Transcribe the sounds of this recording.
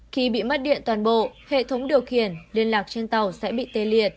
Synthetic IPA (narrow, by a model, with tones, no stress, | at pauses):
xi˧ɓḭ˧˨mə˦˥t̚ɗḭ˧˨ənt̪waː˨˩nɓo̰˧˨hḛ˧˨t̪ʰə˨˦wŋ͡mɗi˨˩əwxi˧˩ənli˧ənlaː˨˩k̚t͡ɕe˧nt̪ə˨˩wsɛ̰˧˥ɓḭ˧˨t̪e˧˩li˨˩ət̚